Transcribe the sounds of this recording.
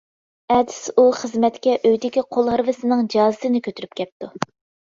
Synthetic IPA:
ɛd̪ɪsuχəzmɛt̪kʲɛʔøjd̪ɪkʲiqʰolˠhɑɾvɨsɨnɨŋd͡ʒɑːzɨsɨnɪkʲʰøt̪ʰyɾyp̚kʲʰɛp̚t̪u

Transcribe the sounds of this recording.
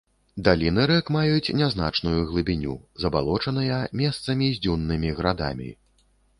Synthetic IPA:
d̪alʲinɨɾɛkmajut͡sʲnʲazna̰t͡ʂnujuɣlˠɨbʲinʲṵzɐbalˠɔt͡ʂɐnɐjɐmʲɛst̪sɐmʲizʲd͡zʲunːɨmʲiɣɾad̪a̰mʲḭ

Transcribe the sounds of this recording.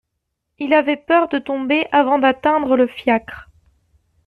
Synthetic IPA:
ilavɛpœʁd̪ət̪ɔ̃beʔavɑ̃d̪at̪ɛ̃d̪ʁələfjakχ

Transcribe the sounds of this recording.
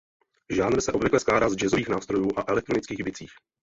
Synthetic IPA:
ʒaːnɾ̩sɛʔo̞bvɪklɛsklaːdaːzd͡ʒɛzo̞viːxnaːfst̪ɾo̞juːʔaʔɛlɛk̚t̪ɾo̞nɪt͡skiːɣbɪt͡siːx

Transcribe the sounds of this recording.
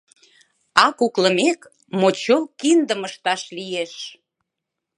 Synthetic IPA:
ɑkukləmek | mot͡ɕolkind̪əməʃt̪ɑʃlijeʃ

